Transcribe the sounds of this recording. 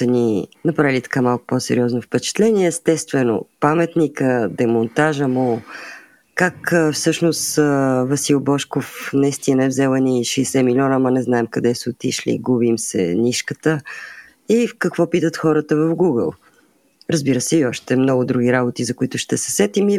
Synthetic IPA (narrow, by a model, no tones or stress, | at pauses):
əninɐpɾavilʲit̪ɐ̥kamalˠkʊ̥posɛ̰ɾiɔznofpɛt͡ʃɛ̥t̪lɛniɛːst̪ɛst̪vɛno̰pamɛt̪nikəd̪ɛmʊnt̪aʒəmo | kakfsɤʃnost̪vɐsilˠbɔʃkofnɐist̪inəɛvzɛlˠəniʃɛːsɛmilʲiɔnəmɐnɛznaɛmkɐd̪ɛsəot̪iʃlḭɡubimsɛ̰niʃkət̪ə | ikɐkvɔpit̪ət̪xɔɾət̪əvɐfɡuɡə̰lˠ | ɾəzbiɾəsɛiɔʃt̪ɛmnɔɡʊd̪ɾuɡ̟ʲiɾabot̪izɐkʊit̪ʊʃt̪ɛsɛ̥sɛt̪imi